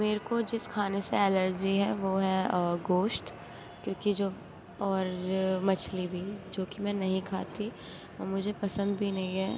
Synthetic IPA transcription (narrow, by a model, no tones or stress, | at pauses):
meːɾkod͡ʒɪskʰaːneseɛləɾd͡ʒiɦɛːʋoːɦɛɡoːʃʈ | kjõːkid͡ʒoː | ɔːɾmɐt͡ʃʰlibʱid͡ʒoːkimɛ̃ːnɐɦĩkʰa̰ːt̪i | o̰ːmʊd͡ʒʱepɐsə̃nd̪bʱinɐɦĩɦɛː